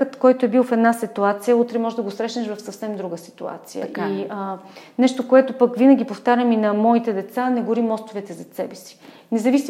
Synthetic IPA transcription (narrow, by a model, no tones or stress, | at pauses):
ət̪kɔjt̪oɛbilˠfɛd̪nasit̪uat̪sijəut̪ɾɛmɔʒɛd̪ɐɡosɾɛʃnɛʃvɐfsɐfsɛmd̪ɾuɡəsi̥t̪ua̰t̪sijə̰ʔənɛʃt̪okoɛt̪opəkvinəɡ̟ʲipoft̪aɾʲəminɐmɔit̪ɛd̪ɛt̪sanɛɡʊɾimːɔst̪ovɛt̪ɛzɐt̪sɛbɛsi̥ | nɛzɐvis